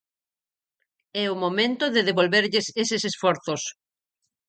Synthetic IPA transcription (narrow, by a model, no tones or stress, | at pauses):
ɛʊmomẽnt̪ʊðɪðeβolβeɾʎɪsesɪsesfɔɾθos